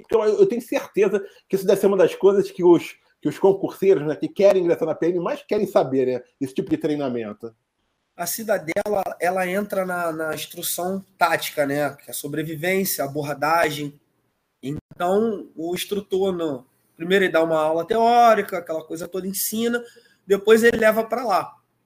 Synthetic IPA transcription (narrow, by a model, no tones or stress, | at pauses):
ẽt̪ɐ̃w̃ewewt̪ẽɲ̃ʊseɾt̪ezɐkɪisʊd̪ɛvɪseɾumɐd̪ɐskojzɐskɪʊʃ | kɪʊʃkõkuɾsejɾʊznɛkɪkɛɾẽɡɾesaɾnɐpeẽnɪmajʃkɛɾẽj̃sabeɾnɛesɪ̥t͡ʃipʊd͡ʒɪt̪ɾejnamẽnt̪ʊ | ɐsid̪ɐd̪ɛlɐɛlɐẽnt̪ɾɐnɐnɐĩʃt̪ɾusɐ̃w̃t̪at͡ʃi̥kɐnɛkɪɛsobɾevivẽsjɐːboɦad̪aʒẽj̃ | ẽt̪ɐ̃w̃ʊĩʃt̪ɾut̪oɾnʊ | pɾimejɾʊelɪd̪aũmɐawlɐt̪eɔɾikɐːkɛlɐkojzɐt̪od̪ɐẽsĩnɐ | d̪epojzelɪlɛvɐpɾala